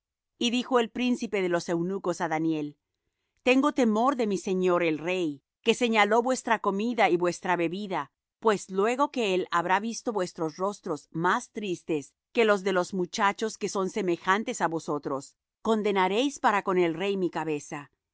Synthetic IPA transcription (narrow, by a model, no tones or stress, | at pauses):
iðixo̞e̞lpɾinsipe̞ðe̞lo̞se̞wnuko̞saðanje̞l | t̪e̞ŋɡo̞t̪e̞mo̞ɾðe̞mise̞ɲo̞ɾelrej | ke̞se̞ɲalo̞βwe̞st̪ɾako̞miðaiβwe̞st̪ɾaβe̞βiða | pwe̞slwe̞ɣo̞ke̞elaβɾaβist̪o̞βwe̞st̪ɾo̞sro̞st̪ɾo̞zmast̪ɾist̪e̞s | ke̞lo̞zðe̞lo̞zmut͡ʃat͡ʃo̞ske̞so̞nse̞me̞xant̪e̞saβo̞so̞t̪ɾo̞s | ko̞nd̪e̞naɾe̞jspaɾako̞ne̞lre̞jmikaβe̞sa